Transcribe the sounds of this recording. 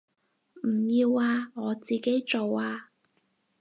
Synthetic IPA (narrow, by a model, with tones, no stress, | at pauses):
m̩˨˩jiː˧waː˧ŋɔː˨˧t͡siː˨ke˥jt͡so˨waː˧